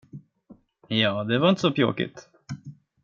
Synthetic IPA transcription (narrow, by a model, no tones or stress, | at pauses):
jɑːd̪ɛvaɪnt̪sɔpʰjo̰ːkɪ̰t̪